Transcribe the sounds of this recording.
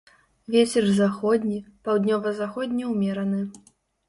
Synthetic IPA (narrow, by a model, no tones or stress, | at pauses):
vʲet͡sʲɛrzaxɔd̪ʲnʲipawd̪ʲnʲɔvɐzaxɔd̪ʲnʲiwmʲɛɾɐnɨ